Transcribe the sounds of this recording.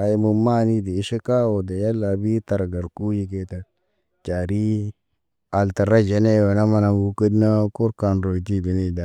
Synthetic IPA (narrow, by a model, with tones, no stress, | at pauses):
a˨ji˦mu˨ma˦ni˦di˨i˦ʃe˦ka˦wo˨da˨ja˦lːa˨bi˦ta˨ɾɡa˨ɾku˦ji˦k̬e˦ta˨t | t͡ʃa˨ɾi˦ | a˨lta˨ɾa˦d͡ʒe˦ne˦˨we˨na˦ma˦na˨u˦kə˦dna˦ko˦ɾka˨nɾo˨t̬i˦˨bi˨ni˦˨da˨